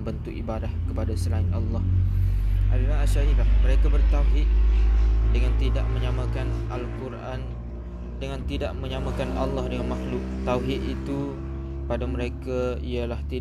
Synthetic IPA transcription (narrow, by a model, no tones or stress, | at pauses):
bənt̪ʊkibadahkəpadasəlaɪnʔɑlːɑh | ʔa̰dilaɦaʃaɾilahməɾekabərt̪awɦɪt̪̚ | dəŋant̪ida̰ʔməɲamakana̰lkuɾʔan | dəŋant̪idaʔməɲamãkanʔalːɑhdəŋanmaxlʊk̚t̪awɦɪt̪it̪u | padaməɾekaialaht̪i